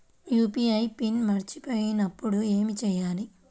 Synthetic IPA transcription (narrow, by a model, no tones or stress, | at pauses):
juːpiːɐjpinmɐɾit͡ʃipo̞ːjinɐpːuɽue̞ːmit͡ʃɛjaːli